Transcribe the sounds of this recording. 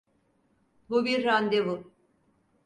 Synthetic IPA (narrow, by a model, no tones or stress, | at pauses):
bubiɾːand̪ebu